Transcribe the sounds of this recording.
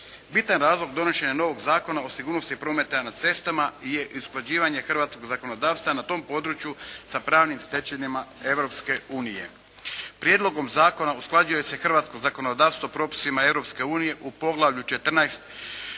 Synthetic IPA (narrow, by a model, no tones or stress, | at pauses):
bit̪anɾaːzlˠo̞ɡd̪o̞no̞ʃe̞ɲano̞ʋo̞ɡzaːko̞naosiɡuːɾno̞st̪ipɾo̞ːme̞t̪enad̪̚t̪se̞st̪amaje̞ʔusklˠad͡ʑiːʋaɲe̞xr̩ʋaːt̪sko̞ɡzako̞no̞d̪aːʋst̪ʋanat̪o̞ːmpo̞d̪ɾut͡ʃjusapɾaːʋnimst̪e̞t͡ʃenimae̞ʋɾo̞pske̞uːnije̞̰ | pɾje̞d̪lˠo̞ɡo̞mzaːko̞nausklˠad͡ʑuje̞se̞xr̩ʋaːt̪sko̞zako̞nod̪aːʋst̪ʋopɾo̞pi̥simae̞ʋɾo̞pske̞uːnije̞ʔupo̞ɡlˠaʋʎut͡ʃe̞t̪r̩najst̪